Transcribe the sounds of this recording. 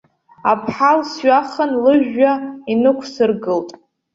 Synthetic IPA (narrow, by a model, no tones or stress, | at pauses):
apʰħalsɥaχanlɨʒᶣːainɨkʷʰsɨrɡɨltʼ